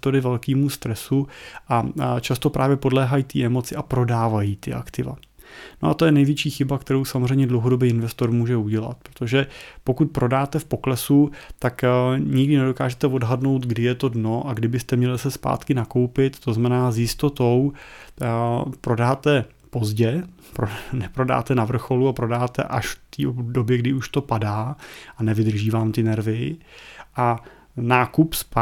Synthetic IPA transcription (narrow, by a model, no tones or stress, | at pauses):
t̪o̞ɾɪvɛlkiːmust̪ɾɛsuʔat͡ʃast̪o̞pɾʔaːvjɛpo̞dlɛːɦajiːt̪iːʔɛmo̞t͡sɪʔapɾo̞daːvajiːt̪ɪʔa̰kt̪ɪva̰ | no̞ʔat̪o̞jɛnɛjvjɛt͡ʃiːxɪbakt̪ɛɾo̞wsamozr̝ɛjɲɛdlowɦo̞do̞biːɪnvɛst̪o̞ɾmuːʒɛuɟɛla̰t̪̚pɾot̪o̞ʒɛpo̞kut̪̚pɾʔo̞daːt̪ɛfpo̞klɛsut̪akɲɪɡdɪnɛdo̞kaːʒɛt̪ɛvo̞dɦadno̞wt̪ɡdɪjɛt̪o̞dno̞ʔaɡdɪbɪst̪ɛmɲɛlɪsɛspa̰ːt̪kɪnako̞wpɪt̪t̪oznamɛnaːzjɪst̪o̞t̪o̞w | pɾo̞daːt̪ɛ | po̞zɟɛ | pɾonɛpɾo̞da̰ːt̪ɛnavr̩xo̞luapɾo̞daːt̪ɛ̰ʔaʃft̪iːdo̞bjɛɡdɪuʃt̪o̞padaːʔanɛvɪd̪r̩ʒiːvaːmt̪ɪnɛɾvɪ | ʔa | naːkupsp